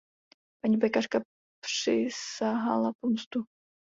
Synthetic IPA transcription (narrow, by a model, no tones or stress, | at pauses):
paɲibajkaʂka | pʂɪsaɦa̰lˠapɔmst̪u